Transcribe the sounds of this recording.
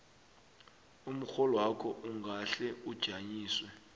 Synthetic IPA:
um̩xɔlɔwakʰɔʔuŋɡʱaɬɛud̥ʒ̥ʱaɲiːswɛ

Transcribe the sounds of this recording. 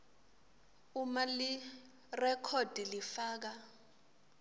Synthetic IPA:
umali | rɛkʰɔd̥ʱilifaːk̬a

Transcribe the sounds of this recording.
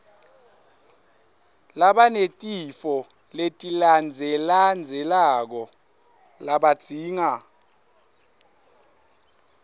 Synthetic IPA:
laɓanetʼifɔ | letʼiland͡zʱɛland͡zʱɛlak̬ɔ | laɓad̥ʱiːŋa

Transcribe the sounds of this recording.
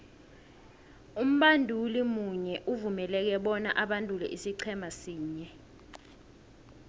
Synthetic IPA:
um̩ɓandʱulimuɲɛʔuvumɛlɛk̬ɛɓɔnaʔaɓandʱulɛ̰ʔisiǀʰɛmasiːɲɛ

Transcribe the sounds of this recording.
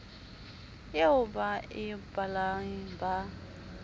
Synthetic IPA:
jeʊbaɪbalaŋiba

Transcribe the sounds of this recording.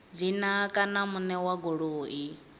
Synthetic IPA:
d͡zinakʼanamunɛwaɡɔɺoːi

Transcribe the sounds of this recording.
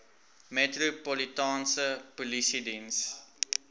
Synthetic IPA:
mɛtrupɔlitɑːnsəpulisidins

